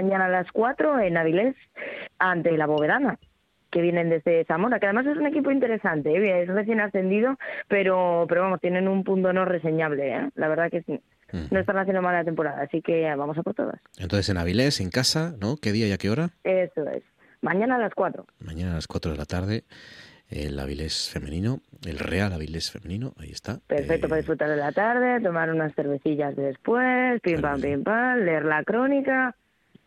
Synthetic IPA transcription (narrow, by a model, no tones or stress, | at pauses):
aɲãnaːlaskwat̪ɾo̞e̞nːaβ̞ile̞sant̪e̞laβo̞β̞e̞ðana | ke̞βje̞ne̞nd̪e̞zðe̞samo̞ɾakeaðe̞mas̬e̞sune̞kipoint̪eɾe̞sant̪e̞eesre̞θjenasθe̞nd̪ið̞o̞pe̞ɾo̞pe̞ɾoamo̞st̪jenẽ̞numpunt̪o̞no̞re̞se̞ɲaβ̞le̞ḛlaβ̞e̞ɾðakes | noest̪anaθjend̪oallat̪e̞mpo̞ɾaða̰ːsike̞βamo̞sapo̞ɾt̪o̞ða̰sḛ̃nt̪onθesenaβ̞ileseŋkasano̞ke̞ðiajake̞o̞ɾae̞soḛs | mãɲãnaːlaskwat̪ɾo̞̰mãɲanaːlaskwat̪ɾoðe̞lat̪aɾð̞e̞ | ḛla̰βḭle̞sfe̞mḛ̃nĩnoḛlrealaβilesfe̞mẽnĩnoʔaḭe̞st̪ape̞ɾfek̚t̪opað̞isfɾut̪aɾðelat̪aɾðe̞t̪o̞maɾunasθe̞ɾβe̞θiʎazðe̞spwespimpampimpanle̞eɾlakɾo̞nika